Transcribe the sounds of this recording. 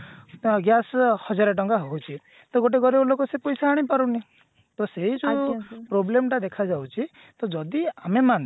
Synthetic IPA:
ɡjashɔd͡ʒaɾeʈ̬ɔŋkaɦowt͡ʃʰi | t̪ɔɡoʈ̬eɡɔɾiblokɔsepɔjsaaɽ̃ipaɾuni | t̪ɔseɦid͡ʒupɾoblemʈad̪ekʰad͡ʒawt͡ʃʰi | t̪ɔd͡ʒɔd̪iameman

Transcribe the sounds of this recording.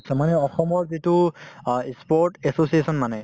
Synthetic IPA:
sɛmanɛɔxɔmɔɹzitu | spɔɹʈɛsosiesɔnmanɛ

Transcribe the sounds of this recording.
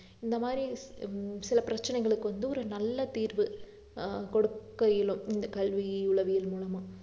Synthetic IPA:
ɪnd̪ɐmaːd̪ɾi | sɪlɐpɪɾɐt͡ʃːɐnɛɪɣɐɭɯkːɯʋɐnd̪ɯɔɾɯnɐlːɐt̪iːɾʋɯ | kɔɽɯkːɐjɪlɯmɪnd̪ɐkɐlʋiʊɭɐʋɪjɪlmuːlɐmãː

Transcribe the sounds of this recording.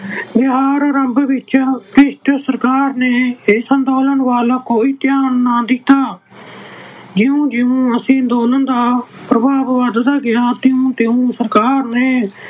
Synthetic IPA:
bɪɦaːɾɾəmbʋɪt͡ʃaːkɾɪʃʈ̪əsəɾkaːɾneːsənt̪oːlənʋaːlaːkoːiːt̪jaːnːaːd̪ɪt̪aː | d͡ʒɪũːd͡ʒɪũːəsĩːnd̪oːnənd̪aːpɾəbaːʋʋad̪d̪aːɡɪjaːt̪ɪũːt̪ɪũːsəɾkaːɾneː

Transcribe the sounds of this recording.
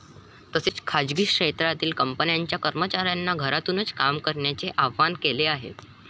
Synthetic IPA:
t̪əset͡skʰad͡ʑɡiːkʂet̪ɾat̪iːlkəmpənjaɲt͡ɕjakəɾmət͡ɕaɾjanːaɡʱəɾat̪uːnət͡skamkəɾɳjat͡seʔaʋʋankeleaɦḛ

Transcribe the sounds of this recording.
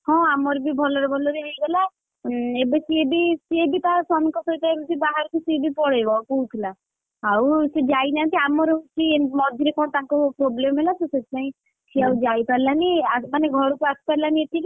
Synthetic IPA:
hɔ̃amɔɾebibʱɔlɔɾɔbʱɔlɔɾeɦejɡela | ebet͡ʃʰiebisiebit̪asamɔkɔsɔiʈ̪aebed͡ʒibaɦaɾɔkusebipɔɽejbapout̪ʰila | awsed͡ʒajnant̪iamɔɾeut͡ʃʰimɔd̪ʱjiɾekɔɽ̃ɔt̪aŋkɔpɾoblemɔɦelaseset̪ʰipaĩ | t͡ʃʰiawd͡ʒajpaɾilaniamaneɡʱɔɽukuasi̥paɾilaniet̪ʰiki

